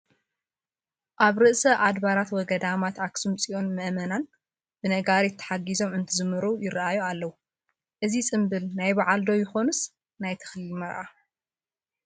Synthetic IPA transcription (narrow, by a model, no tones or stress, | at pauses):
ʔaβɾɨʔsɐʔad̪baɾat̪wɔɡɐd̪amat̪ʕaksumt͡sʼiʔo̞nmɨʔmɐnan | b̥ɨnɐɡaɾijt̪ʰːɐ̥ħaɡizo̞mɨnt̪ʰɨzɨmɨɾujɪɾaʔajualːɐwu | ʔɨzit͡sʼɨmbɨlnajbaʕald̪o̞jɪxo̞nɨs | najt̪ʰɐ̥xlimɐɾʔa